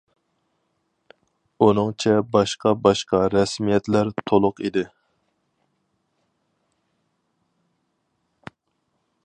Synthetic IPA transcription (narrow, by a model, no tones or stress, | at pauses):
unɨŋt͡ʃʰɛbɑʃqɑbɑʃqɑɾɛsmijɛt̪læɾt̪ʰolˠʊqid̪ɪ